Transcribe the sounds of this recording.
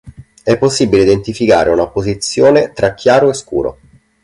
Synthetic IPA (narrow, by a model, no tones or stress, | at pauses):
ɛpːosːibileid̪ent̪ifika̰ːɾʔeunapozit̪sːjoːnet̪ɾakːjaːɾoeskṵːɾo̰